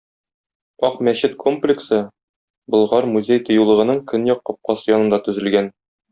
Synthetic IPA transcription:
ɒqmæɕɘt̪kʰo̞mplʲɪksɤ | bɤ̆lˠʁɑɾmuzʲejt̪ŏjɤ̆lˠɤ̆ʁɤ̆nɤɴkɵnjɒqːɒp̚qɑsɤjɒnɤ̆nd̪ɑt̪ɵ̆zɘ̆lɡæn

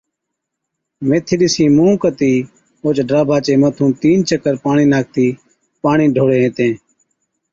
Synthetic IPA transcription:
meːt̪ʰiːɗɪsĩːmũːkət̪iː | oːt͡ʃɖɾaːbʱaːt͡ʃeːmət̪ʰũːt̪iːnt͡ʃəkəɾpaːɳiːnaːk̚t̪iː | paːɳĩːɖʱoːɽeːɦẽːt̪ẽː

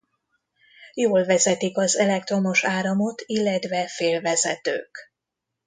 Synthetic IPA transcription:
joːlvɛzɛt̪ikɒzɛlɛk̚t̪ro̞mo̞ʃaːɾɒmo̞t̪ʰilːɛt̪vɛfeːlvɛzɛt̪ø̰ːk

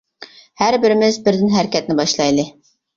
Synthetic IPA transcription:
hæɾbɪɾɪmɪzbɪɾd̪ɪnɦæɾkʲɛt̪̚nɪbɑʃlˠɑjd̪ɨ

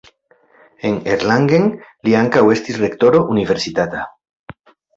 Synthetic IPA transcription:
eŋeɾlaŋɡeŋliaŋkawest̪isrekt̪oɾoʔuniβeɾsit̪at̪a

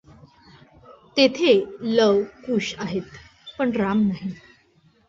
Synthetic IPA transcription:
t̪et̪ʰeləʋkuɕaɦet̪ | pəɳɾamnaɦi

